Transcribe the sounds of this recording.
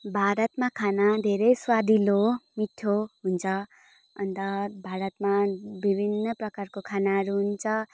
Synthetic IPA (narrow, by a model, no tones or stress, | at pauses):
bʱaɾət̪mãkʰanad̪ʱeɾəjswad̪ʱilomiʈʰːoɦunt͡sʰʌ | ʌnt̪ʌbʱaɾət̪mãbibʱinːəpɾʌkaɾkokʰanaɾuɦunt͡sʰʌ